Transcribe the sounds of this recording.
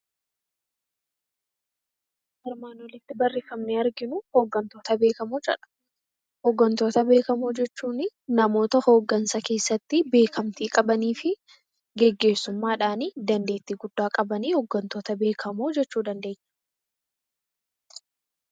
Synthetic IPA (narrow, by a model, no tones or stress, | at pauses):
ɛɾmaːnɔlɪt̪ːɪbɐrːɪfɐmnɛɐɾɡɪnʊho̞ːɡːɐnt̪o̞ːt̪ɐbe̞ːkɐmʊt͡ʃʼɐ̰ᶑɐ̥ | hɔɡːɐnt̪o̞ːt̪ɐbe̞ːkɐmoːd͡ʒɛt͡ʃːuːnɪnɐmo̞ːt̪ɐho̞ːɡːɐnsɐke̞ːsːɐt̪ːɪbe̞ːkʰɐmt̪iːkʼɐbɐniːfɪ | ɡɛɡːe̞ːsːʊmːaːᶑaːnid̪ɐnd̪e̞ːt̪ːiːɡʊd̪ːaːkʼɐbɐniːhɔɡːɐnt̪o̞ːt̪ɐbe̞ːkʰɐmoːd͡ʒɛt͡ʃːuːd̪ɐnd̪eːɲːɐ̥